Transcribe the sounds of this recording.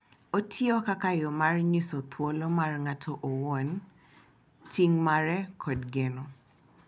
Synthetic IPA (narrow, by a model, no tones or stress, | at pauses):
otʰjɔkakajɔmarɲisɔt̪ʰwɔlɔmarŋatʰɔʔowɔn | tʰiŋmaɾɛkʰɔdɡɛnɔ